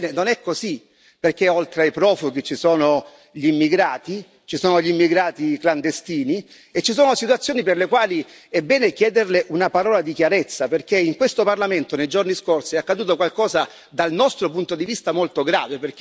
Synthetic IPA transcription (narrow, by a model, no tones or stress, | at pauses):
nenonɛkːozi | perk̟eolt̪ɾeajpɾɔːfoɡ̟it͡ʃːisoːno | ʎimːiɡɾaːt̪i | t͡ʃisɔːnoʎimːiɡɾaːt̪ikland̪est̪iːni | et͡ʃːisɔːnosit̪wat̪sːjoːniperlekwaːli | ɛbːɛːnekjɛːd̪erleʔunapaɾɔːlad̪ikjaɾet̪sːaperkeiŋkwest̪oparlament̪onejd͡ʒorniskorsiakːad̪uːt̪̬okwalkɔːza | d̪alnɔst̪ɾopunt̪od̪ivist̪amolt̪oɡɾa̰ːveperk